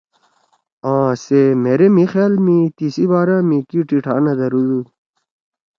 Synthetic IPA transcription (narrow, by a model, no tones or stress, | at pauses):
ãːsemeɾemixjaːlmĩt̪isibaːɾãmikiʈiʈʰaːnɐd̪ɐɾud̪u